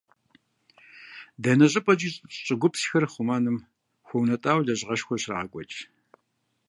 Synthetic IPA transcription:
dɐnɐɕʼɪpʼɐt͡ʃiːɕʼɕʼɪɡʷʊpsxɐrχʷʊmaːnɨm | xʷɔwnɐtʼaːwɮɐʑʁɐʃxʷɔɕra̰ɐkʷʼɔt͡ʃʼ

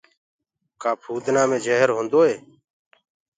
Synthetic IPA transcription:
kaːpʰuːd̪naːmẽːd͡ʒəːɦəɾɦõːnd̪oːɦeː

